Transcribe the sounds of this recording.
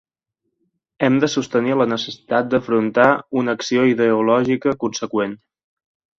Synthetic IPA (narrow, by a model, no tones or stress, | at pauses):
ɛmd̪əsust̪əniələnəsəsi̥t̪at̪̚d̪əfɾunt̪aunəksioiðəulɔʒikəkunsəkwen